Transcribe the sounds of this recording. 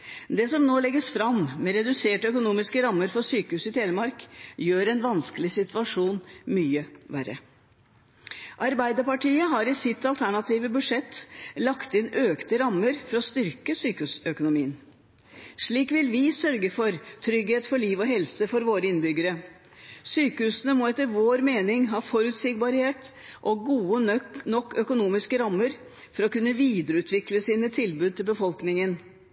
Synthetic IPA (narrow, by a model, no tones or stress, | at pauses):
d̪ɛsɔmnoːlɛɡːəsfɾɑmmɛɾɛd̪ʉseːʈœkʊnuːmɪskəɾɑmːəɾfɔsyːkəhʉːsɪt̪ʰeːnəmɑɾkjøːɾɛnʋɑnskəlɪsɪt̪ʉʋɑʂuːnmyːəʋæɾə̰ | ʔɑɾbæɪd̪əpɑʈʰiːəɦɑɾɪsɪt̪ːɑlt̪ʰæɳɑt̪ʰiːʋəbʉʂɛt̪ːlɑkt̪ɪnʔøːkt̪əɾɑmːəɾfɔɾɔst̪ʏɾkəsyːkʉsœkʊnʊmiːən | ʂɭiːkʋɪlʋɪsœɾɡəfɔɾt̪ʰɾʏɡheːt̪fɔɭiːʋɔɦɛlsəfɔɾʋoːɾəɪnbʏɡəɾə | syːkəʉːsənəmɔɛt̪ːəɾʋoːɾmeːnɪŋɦɑːfɔɾʉːt̪sɪɡ̚bɑɾheːt̪ | ʔɔɡuːənɔkːœkʊnuːmɪskəɾɑmːəɾ | fɔɾɔkʉnːəʋiːd̪əɾəʉːt̪ʰʋɪkləsiːnət̪ʰɪlbʉːd̪̚t̪ɪlbəfɔlknɪŋən